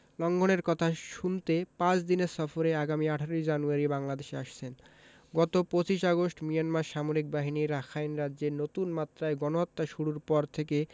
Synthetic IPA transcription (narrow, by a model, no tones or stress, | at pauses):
lɔŋɡʱoneɾkɔt̪ʰaʃunt̪epãt͡ɕd̪ineɾsɔfoɾeaɡamiaʈʰaɾijd͡ʑanuaɾibaŋlad̪eʃeaʃt͡ɕʰen | ɡɔt̪opot͡ɕiʃaɡosʈmijanmaɾʃamoɾik̚baɦiniɾakʰajnɾadːd͡ʑeɾnot̪unmat̪ːɾaeɡɔnoɦɔt̪ːaʃuɽuɾpɔɾt̪ʰeke